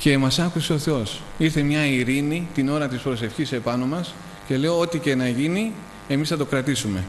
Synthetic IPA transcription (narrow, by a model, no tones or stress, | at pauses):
ce̞mɐsɐkuseo̞θe̞o̞siɾθe̞mɲɐiɾinit̪ino̞ɾɐt̪ispɾo̞se̞fçise̞pɐno̞mɐs | ce̞leoot̪ice̞nɐʝini | e̞misθɐt̪okɾɐt̪isume̞